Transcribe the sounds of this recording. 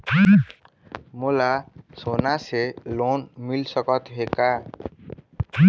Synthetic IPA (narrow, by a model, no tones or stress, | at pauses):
molasonaselonmilsʌkʌt̪ɦeka